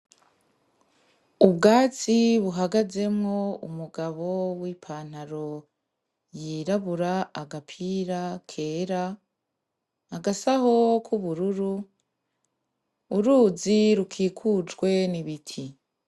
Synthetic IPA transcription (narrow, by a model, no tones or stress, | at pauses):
ubɡaːt͡siβuɦaɡaze̞mŋo̞umuɡaβo̞wiːpʰaːn̥haɾo̞ | jiːɾaβuɾaaɡapʰiːɾakʰe̞ːɾa | ɡasaho̞kʰuβuɾuɾu | ɾuːziɾukʰiːkʰud͡ʒɡwe̞niβitʰi